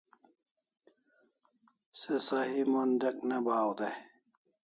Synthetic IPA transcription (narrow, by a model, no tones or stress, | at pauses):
sesɐɦimond̪ek̚nebaːwd̪e